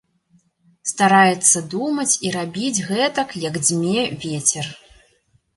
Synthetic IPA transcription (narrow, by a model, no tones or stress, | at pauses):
st̪aɾajɛt̪sːɐd̪umɐt͡sʲiɾabʲid͡zʲɣɛt̪ɐkjɐɡd͡zʲmʲɛvʲɛt͡sʲɛr